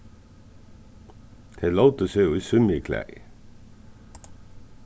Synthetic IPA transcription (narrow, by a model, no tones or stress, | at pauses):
d̪̥ʰeːlɑʊt̪əseːuːiːsʏnɪkʰlæ̰ɪ